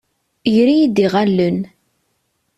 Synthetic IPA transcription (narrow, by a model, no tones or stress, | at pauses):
jɾijid̪iʁælːən